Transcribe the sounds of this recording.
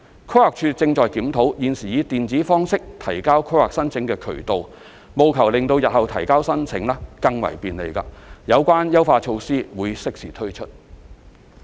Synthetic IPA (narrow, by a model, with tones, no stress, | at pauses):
kʰo˥waː˨k̚t͡ʃʰyː˧t͡sɪ˧ŋt͡ʃɔː˨jkiː˨˥mt̪ʰo˨˥wjiː˨nsiː˨˩jiː˨˧t̪iː˨nt͡siː˨˥fɔː˥ŋsɪ˥k̚t̪ʰɐ˨˩jkaː˥wkʰo˥wa̰ː˨k̚sɐ˥nt͡sʰɪ˨˥ŋkɛː˧kʰɵ̰˨˩t̪o˨w | mo˨wkʰɐ˨˩wlɪ˨ŋt̪o˧wjɐ˨t̚hɐ˨wt̪ʰɐ̰˨˩jkaː˥wsɐ˥nt͡sʰɪ˨˧˥ŋlɛ˥kɐ˧ŋwɐ̰˨˩jpiː˨˩nlḛ˨˩jka̰ː˧jɐ˨˧wkʷaː˥njɐ˥wfaː˧t͡ʃʰo˧wsiː˥wuː˨˧jsɪ˥k̚siː˨˩t̪ʰɵ˥ɥt͡ʃʰɵ˥t̚